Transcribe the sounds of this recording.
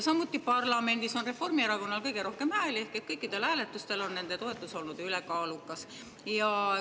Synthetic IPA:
sɑmːut̪ːˑipɑrlɑme̞nd̪iso̞nre̞fo̞rmieɾɑko̞nːɑlkɤjɡ̥e̞ɾo̞hke̞mhæːle̞hket̪̚kɤjkːˑid̪̥e̞lhæːle̞t̪ːˑust̪e̞lo̞nne̞nd̪̥e̞t̪o̞e̞t̪ːˑuso̞lnud̪̥ylekɑːlukːˑɑs | jɑ

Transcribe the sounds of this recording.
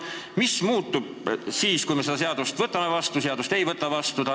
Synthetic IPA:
mismuːt̪ːub̥̚siːskujmesed̪̥ɑseɑd̪̥ust̪vɤt̪ːˑɑmevɑst̪useɑd̪ust̪e̞jvɤt̪ːˑɑvɑst̪ut̪ɑ

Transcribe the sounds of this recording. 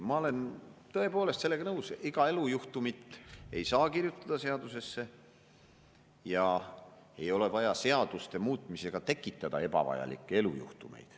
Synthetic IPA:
mɑo̞le̞nt̪ɤe̞poːle̞st̪selːe̞ɡɑnɤwsiɡ̥ɑe̞lujuht̪umit̪ːe̞jsɑːkirjut̪ːˑɑd̪̥ɑse̞ɑd̪̥use̞sːe̞ | jɑ | e̞jo̞le̞vɑjɑse̞ɑd̪̥ust̪e̞muːt̪ːˑmise̞ɡ̥ɑt̪e̞kːˑit̪ːˑɑd̪̥ɑe̞b̥ɑ̰vɑ̰jɑ̰lḭkːˑee̞lujṵht̪ume̞̰jd̪̥

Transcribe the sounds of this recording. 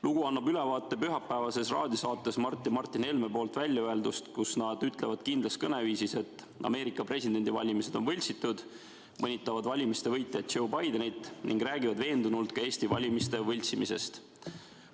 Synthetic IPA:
luɡ̥uɑnːɑbyle̞vɑːt̪ˑːe̞pyɦɑpːæevɑse̞srɑːd̪̥isɑːt̪ːˑe̞smɑrt̪ˑːimɑrt̪ːˑine̞lme̞po̞ːlt̪vælʲːjɑøe̞ld̪ust̪kusnɑd̪yt̪ːˑle̞vɑd̪̥kind̪lɑskɤne̞viːsise̞t̪ːˑ | ɑ̰me̞ːɾikːˑɑpre̞sid̪̥e̞nʲd̪̥ivɑ̰lʲimise̞d̪̥onvɤlʲsit̪ːˑud̪̥ | mɤnʲit̪ːˑɑvɑd̪vɑlʲimist̪e̞vɤjt̪ˑːjɑt̪̚ːt͡ʃo̞wbɑjd̪̥enit̪ːˑnḭŋɡ̥ræːɡivɑd̪ve̞ːnd̪unult̪kɑe̞ːsʲt̪ivɑlʲimist̪e̞vɤlʲsimise̞̰st̪

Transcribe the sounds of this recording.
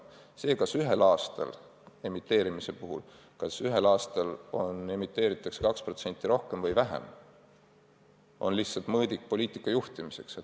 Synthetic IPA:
se̞ːkɑsyɦe̞lɑːst̪ɑ̰l | e̞mit̪ːˑe̞ːɾimise̞puɦṵl | kɑsyɦelɑːst̪ɑlo̞ne̞mit̪ːˑe̞ːɾit̪ːˑɑkse̞kɑkspro̞t̪se̞nt̪ːˑiɾo̞hke̞mvɤjvæɦḛm | ʔo̞̰nlihtsɑlt̪mɤːd̪ik̚po̞lʲiːt̪ːˑikːˑɑjuht̪imise̞ks

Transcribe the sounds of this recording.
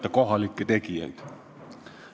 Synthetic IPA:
t̪ːækohɑlːikːit̪ekiæ̰it̪

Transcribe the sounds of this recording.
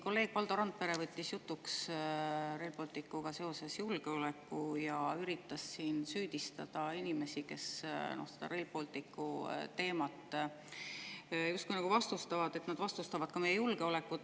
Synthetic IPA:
ko̞lːe̞ːɡ̥̚pɑld̪o̞ɾɑnt̪̚pe̞ɾe̞vɤt̪ʲːisjut̪ːˑuks | relpolʲt̪ikːuɡ̥ɑse̞o̞se̞sjulɡ̥e̞o̞le̞kːˑujɑyɾit̪ːˑɑsːiːnsyːd̪̥ist̪ɑ̰d̪̥ɑinʲime̞sike̞̰sno̰se̥d̪̥ɑ̰ɾelpo̞lʲt̪ikːut̪e̞ːmɑt̪ːˑ | just̪kujnɑɡ̥uvɑst̪ust̪ɑvɑd̪̥e̞t̪nɑd̪̥vɑst̪ust̪ɑvɑd̪̥̚kɑmejejulɡ̥e̞o̞le̞kːˑu

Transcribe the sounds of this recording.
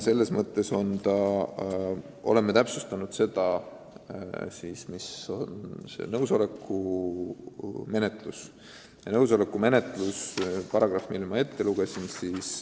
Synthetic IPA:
se̞lːe̞smɤt̪ːˑe̞so̞nt̪ɑ | o̞̰le̞mːet̪æpsust̪ɑnud̪̥se̞d̪̥ɑ | sismiso̞nse̞̰nɤwso̞le̞kːˑu | me̞ne̞t̪ˑlus | jɑnɤwso̞le̞kːˑume̞ne̞t̪ˑluspɑɾɑɡ̥rɑfmilmɑe̞t̪ʰːe̞luɡ̥e̞sinsiːs

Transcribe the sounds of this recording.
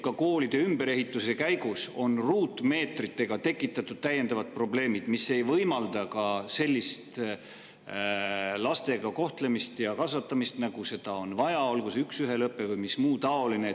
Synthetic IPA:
kɑko̞ːlid̪̥e̞ymbe̞ɾe̞ɦit̪ːˑuse̞kæjɡuso̞nruːt̪me̞ːt̪rit̪ːˑe̞ɡ̥ɑt̪e̞kːˑit̪ːˑɑt̪ːˑud̪̥̚t̪æjːe̞nd̪̥ɑvɑd̪̥̚pro̞ble̞ːmid̪misːe̞jvɤjmɑld̪ɑkɑse̞lʲːist̪ | lɑst̪e̞ɡɑko̞ht̪le̞mist̪jɑkɑsvɑt̪ːˑɑmist̪nɑɡ̥use̞d̪̥ɑo̞nvɑjɑo̞lɡ̥useyksyɦe̞lɤpːˑe̞vujmismuːt̪ɑo̞line

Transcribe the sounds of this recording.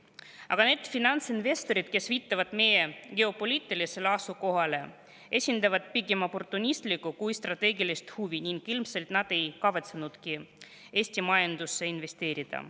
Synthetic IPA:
ɑ̰ɡ̥ɑne̞d̪̥finɑnt̪sinve̞st̪o̞ɾid̪̥ke̞sviːt̪ːɑvɑd̪̥me̞je̞ɡ̥e̞o̞po̞lʲiːt̪ːˑilise̞leɑsuko̞ɦɑle̞ | e̞sʲind̪ɑvɑd̪̥piɡemo̞po̞rt̪ːˑunʲist̪likːukujst̪rɑt̪e̞ːɡilist̪huviniŋɡilmse̞lt̪nɑd̪̥e̞jkɑvɑt̪senud̪̥ki | e̞ːsʲt̪imɑjɑnd̪usːe̞inve̞st̪e̞ːɾid̪̥ɑ̰

